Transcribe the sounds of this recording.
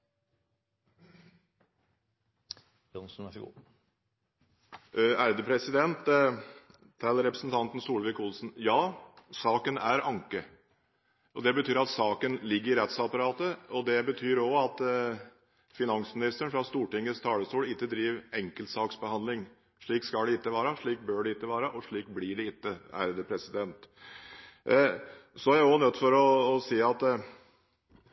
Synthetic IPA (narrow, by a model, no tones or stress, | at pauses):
jɔnsn̩ | æɾd̪əpʰɾɛsɪd̪ɛnt̪ | t̪ʰɛlːəɾɛpɾəsnt̪ʰɑnt̪n̩suːlʋɪkʊlsnjɑːsɑːkənæɾɑŋkə | ʔɔd̪ɛbət̪ʰyːɾɑt̪sɑːkənlɪɡːəɾɪɾɛt̪sɑpɑɾɑːt̪əɔd̪ɛbət̪ʰyːɾɔɑt̪ | fɪnɑŋsmɪnɪst̪əɳfɾɑst̪uːʈɪŋːəst̪ʰɑːləst̪uːlɪt̪ːəd̪ɾiːʋɛŋkəlt̪sɑːksbəhɑnd̪lɪŋ | ʂɭiːkskɑɖ̪ɛɪt̪ːəʋɑːɾəʂɭiːk̚bøːɖɛɪt̪ːəʋɑːɾəʔɔʂɭiːkblɪɖɛɪt̪ːəæ̰ɾd̪əpʰɾɛsɪd̪ɛnt̪ | sɔæɾjæɔnœt̪ːfɔɾɔːsiːɑt̪